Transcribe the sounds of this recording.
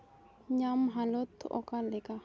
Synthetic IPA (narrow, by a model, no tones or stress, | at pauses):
ɲamɦalot̪ʰːʔɔ̰kalɛka